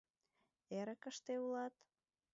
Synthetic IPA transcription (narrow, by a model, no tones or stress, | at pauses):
eɾəkəʃt̪eulɑt̪